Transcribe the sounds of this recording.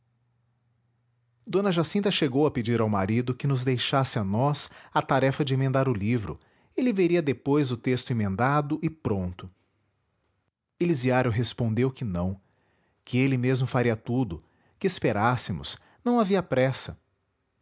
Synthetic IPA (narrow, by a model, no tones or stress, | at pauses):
d̪õnɐʒasĩnt̪ɐʃeɡowɐped͡ʒiɾawmaɾid̪ʊkɪnʊzd̪ejʃasɪanɔsat̪aɾɛfɐd͡ʒɪẽmẽnd̪aɾʊlivɾʊ̰ | elɪveɾiɐd̪epojzʊt̪est̪ʊẽmẽnd̪ad̪ʊʔɪpɾõnt̪ʊ | eliziaɾjʊɦespõnd̪ewkɪnɐ̃w̃ | kɪelɪmezmʊfaɾiɐt̪ud̪ʊ | kɪespeɾasɪmʊ̰s | nɐ̃w̃aviɐpɾɛsɐ